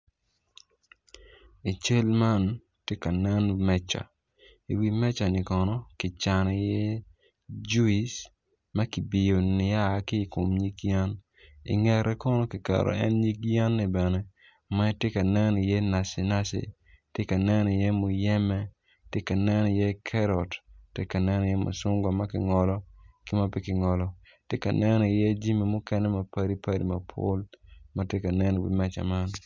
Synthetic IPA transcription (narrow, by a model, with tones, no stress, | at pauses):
i˨t͡ʃe˦lma˦n | tje˦ka˨nɛ˦nmɛ˦t͡ʃa̰˨ | i˨wi˦mɛ˦t͡ʃa˨nɪ˨kɔ˨nɔ˦kɪ˨t͡ʃa˨ni˨jɛ˦ | d͡ʒu˦i˨s | mɐ˦ki˨bi˨jo˨nɪ˨ja˦˨˦kɪː˦˨ko˨mɲi˦kja˦n | ɪ̰˨ŋɛ˨ɾɛ˦kɔ˦nɔ˦ki˨ka̰˨ɾo̰˨ɛ̰˦nɲi˦kja˦nːɪ˨bɛ˨nɛ˦ | ma˦tjɪ˦ka˨nɛ˦nɔ˨jɛ˦na˨sɪ˨na˦sɪ̰˨ | tje˦ka˨nɛ˦nɔ˨jɛ˦mʊ˨jɛ˦mɛ˦ | tje˦ka˨nɛ˦nɔ˨jɛ˦kʰɛ˦ɾɔ˨ttḛ˦ka˨nɛ˦nɔ˨jɛ˦mo̰˨sʊ˦ŋɡwa˨ma˦kɪ˨ŋɔ˨lɔ˦kɪ˦ma˦pɪ˦kɪ˨ŋɔ˨lɔ˦ | tjɪ˦ka˨nɛ˦nɔ˨jɛ˦d͡ʒi˦mi˨mʊ˦kɛ˦nɛ˦ma˨pa˦ɾi˦pa˦ɾḭ˨ma˨pʰo̰˦lma˦tje˦ka˨nɛ˦nɔ˨bɪ̰˨˦mɛ˦t͡ʃa̰˨ma˦n